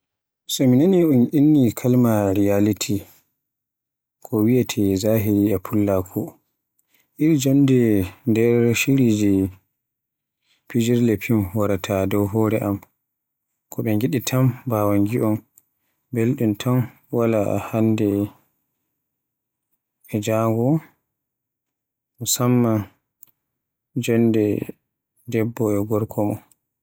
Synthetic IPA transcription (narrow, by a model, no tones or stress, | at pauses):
sɔminaniunʔinːikʰalmaɾijalitʰi | kʰɔwijatʰɛzaɦiɾiapʰulːakʰɔ | ʔiɾd͡ʒɔndɛndɛɾʃiɾid͡ʒi | pid͡ʒiɾlɛpʰimwaɾatʰadɔwɦɔːɾɛʔam | kʰɔɓɛŋɡiɗitʰambawaŋɡiʔɔm | belɗuntʰɔn | wala̰handɛ | ɛd͡ʒaŋɡɔ | musamːa | d͡ʒɔndɛ | dɛbːɔɛɡɔɾkʰɔmɔ